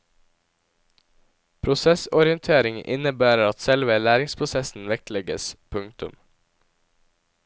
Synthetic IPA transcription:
pʰɾʊsɛsɔɾɪənt̪ʰeːɾɪŋʔɪ̰nəbæːɾəɾɑt̪sɛlʋəlæːɾɪŋspʰɾʊsɛsn̩ʋɛk̚tlɛɡə̰spʰʉŋt̪ʉ̰m

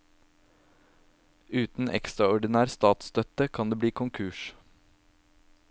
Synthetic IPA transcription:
ʉːt̪n̩ʔɛ̰kst̪ɾɑɔɖɪnæːɾst̪ɑːt̪st̪œt̪əkʰɑnd̪eːbliːkʰʊŋkʰʉːʃ

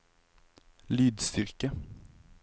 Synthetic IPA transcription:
lyːd̪st̪ʏɾkə

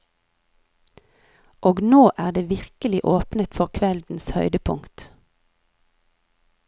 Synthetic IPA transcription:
ʔoːɡnoːʔæːʁd̪eːʋɪʁkəlɪʔoːpnət̪fɔʁkʰʋɛld̪n̩shœ̰ʏd̪əpʰʊŋt̪

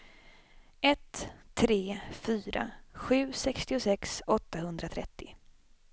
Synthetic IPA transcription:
ɛt̪ʰːɾeːfyːɾa̰ɧʉ̟ːsɛkst̪ɪʊsɛksɔt̪ːahɵnd̪ɾat̪ʰɾɛ̰t̪ʰːɪ

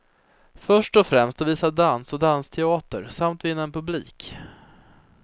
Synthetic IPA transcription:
fœʂʈɔfɾɛmst̪ɔviːsad̪ansɔd̪anst̪ʰɛɑːt̪ə̰ɾsamt̪vɪnːaɛnpʰɵbliːk

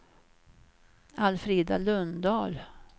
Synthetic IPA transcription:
alfɾiːd̪alɵnd̪ɑːl

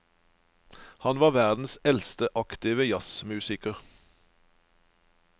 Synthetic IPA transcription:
hɑnʋɑːʋæʁd̪n̩sɛlst̪əʔɑkt̪ɪʋəjɑsmʉːsɪkəʁ

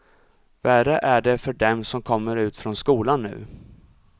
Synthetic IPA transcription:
værəʔæɖɛfœɖɛmsɔmkʰɔmːəɾʉ̟ːt̪fɾɔnskuːlanːʉ̟̰ː

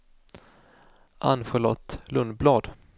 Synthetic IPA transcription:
ʔa̰nɧəɭɔ̰t̪ːlɵnd̪blɑːd̪

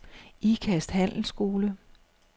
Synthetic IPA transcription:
ikʰæsd̥hæn̰l̩sɡ̥o̝ːlə

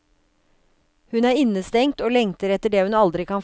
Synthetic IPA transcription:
hʉnæːɾɪnəst̪ɛŋt̪oːlɛŋt̪əɾɛt̪əɖeːhʉnɑld̪ɾɪkʰɑːn

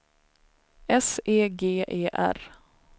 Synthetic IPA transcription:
ɛseːɡeːʔeːʔæ̰ɾ

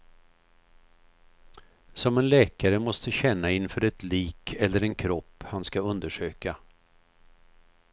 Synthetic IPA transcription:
sɔmɛnlɛːkaɾəmɔst̪əɕɛnːaɪnfœɾɛt̪liːkʰɛlːəɾɛnkʰɾɔpːhanskaɵnd̪əʂøːka

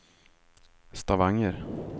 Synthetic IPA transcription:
st̪avaŋːəɾ

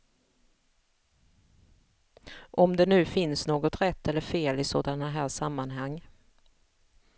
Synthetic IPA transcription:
ʔɔmd̪ɛnʉ̟ːfɪnsnoːɡɔt̪ɾɛt̪ʰːɛlːəɾfeːlɪsoːd̪anaɦæːʂamːanɦaŋː

